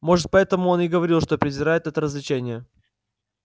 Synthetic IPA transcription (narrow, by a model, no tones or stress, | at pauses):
mo̞ʐɨt̪̚pɐɛt̪əmʊo̞nɪɡəvɐɾʲilˠʂt̪o̞pɾʲɪzʲɪɾajɪt̪ɛt̪əɾəzlʲɪt͡ɕenʲɪjə